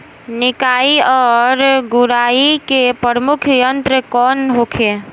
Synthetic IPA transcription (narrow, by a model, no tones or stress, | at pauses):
nikaiɔɾɡuɾaikepəɾəmukʰjənt̪ɾəkɔnɦokʰe